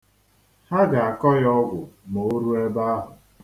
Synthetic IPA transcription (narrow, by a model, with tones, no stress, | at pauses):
ha˦ɡa˨a˨kɔ˦jɔ˦ɡʷʊ˨mo˨˦ɾu˦e˦ba˦a˦ɦʊ˨